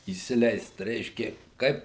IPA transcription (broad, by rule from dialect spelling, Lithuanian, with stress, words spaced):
iːsʲɪˈlʲɛɪst ˈrʲɛɪʃʲkʲeː ˈkɐɪp